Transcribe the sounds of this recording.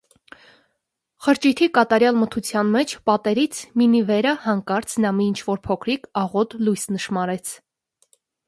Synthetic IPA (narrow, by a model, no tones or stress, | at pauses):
χəɾt͡ʃit̪ʰikɑt̪ɑɾjɑlmət̪ʰut͡sʰjɑnmɛt͡ʃʰpɑt̪ɛɾit͡sʰminivɛɾəhɑŋkɑɾt͡sʰnɑmint͡ʃʰvɔɾpʰɔkʰɾikʰɑʁɔt̪lujsnəʃmɑɾɛt͡sʰ